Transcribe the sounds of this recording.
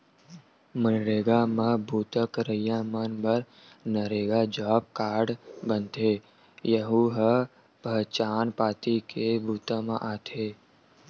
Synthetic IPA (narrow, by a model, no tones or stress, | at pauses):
mənɾeːɡamẽbʱuːt̪əkɾəijãmənbəɾ | nəɾeːɡad͡ʒɔːp̚kaːɽbə̃nt̪eː | jəɦuɦə | pəɦt͡ʃaːnpaːt̪ikebʱuːt̪ãmãʔaːt̪ʰeː